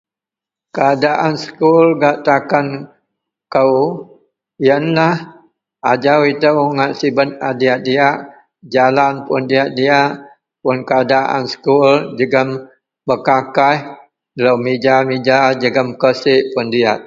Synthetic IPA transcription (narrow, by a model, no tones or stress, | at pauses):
kəadaʔansə̥kulɡaʔt̪akan | kəw | jənlah | ad͡ʒawit̪əwŋaʔsibət̪̚adiaʔ̪̚diaʔ | d͡ʒalanpʊndiaʔ̪̚diaʔ | pʊnkəadaʔa̰nsə̥kuld͡ʒəɡəm | bəkakah | ləwmid͡ʒamid͡ʒad͡ʒəɡəmkəsɪʔpʊndiat̪̚